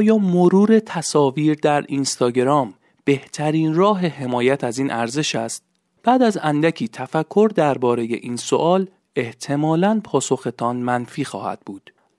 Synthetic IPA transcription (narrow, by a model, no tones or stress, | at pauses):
ʔɒːjɒːmo̞ɾuːɾe̞t̪ʰæsɒːviːɾd̪æɾinst̪ɒːɟeɾɒːm | b̥e̞ht̪ʰæɾiːnrɒːɦe̞ɦe̞mɒːjæt̪ʰæziːnʔæɾze̞ʃæst̪̚ | b̥æːd̪æzænd̪æcʰiːt̪ʰæfækʰːo̞ɾd̪æɾbɒːɾe̞je̞̰ʔiːnso̞̰ʔɒːl | e̞ht̪ʰe̞mɒːlænpʰɒːso̞xe̞t̪ʰɒnmænfiːxɒːhæ̰d̪̥̚buːd̪̥